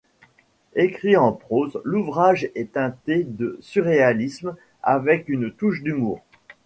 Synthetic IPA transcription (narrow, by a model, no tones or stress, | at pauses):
ekχiɑ̃pχozluvʁaʒɛt̪ɛ̃t̪ed̪əsyʁealism | a̰vɛkynt̪uʃd̪ymuːʁ